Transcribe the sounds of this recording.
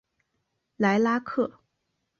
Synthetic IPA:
la˧˥ɪla˥kʰɤ˥˩

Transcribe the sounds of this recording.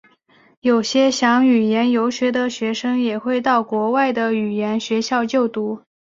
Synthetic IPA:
jo˨˩ʊɕjɛ˥ɕjɑ˧˥ŋy˨˩jɛ˧˥njo˧˥ʊɕɥɛ˧˥d̪ə˧ɕɥɛ˧˥ʂɤ˥ŋjɛ˨˩xwe˥˧ɪt̪ɑ˥˩ʊkwɔ˧˥wa˥˩ɪd̪ə˩y˨˩jɛ˧˥nɕɥɛ˧˥ɕjɑ˥˧ʊt͡ɕjo˥˩ʊt̪u˧˥

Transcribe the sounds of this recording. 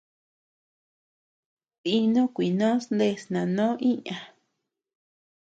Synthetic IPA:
ti˧nõ˦kʷi˨nõ˦snd̪e˧˨snã˨nõ˦ʔĩ˦ɲã˨

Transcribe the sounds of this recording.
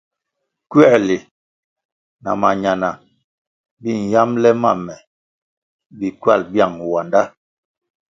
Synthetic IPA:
kɥɛ˦˨li˨ | na̰˨ma˨ɲa˨na˨ | bi˦˨n˨ja˦mlɛ˦ma̰˦˨mɛ˨ | bi˨kɥa̰˦˨lbja˦˨ŋ˨wa˨nda˦

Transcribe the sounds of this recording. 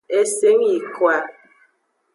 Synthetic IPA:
e˦se˦ŋi˨kwa˨

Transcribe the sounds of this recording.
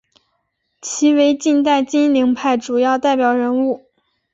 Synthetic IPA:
t͡ɕʰi˧˥we˧˥ɪt͡ɕi˥˧nt̪̬a˥˧ɪt͡ɕi˥nli˧˥ŋpʰa˥˩ɪʈ͡ʂu˨˩jɑ˥˧ʊt̪a˥˩ɪpjɑ˨˩ʊɻə˧˥nu˥˩

